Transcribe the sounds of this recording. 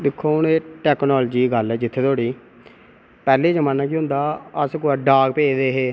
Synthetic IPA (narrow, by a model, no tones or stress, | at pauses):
d̪ɪkʰːoːneːʈɛːknɔːld͡ʒiːɡəlɛːd͡ʒɪt̪ʰːeːt̪ʰoːɽiː | pɛːleːd͡ʒəmãːnːãːk̬iːɦʊ̃nd̪aːəskoːaɖaːɡpeːd̪eːɦeː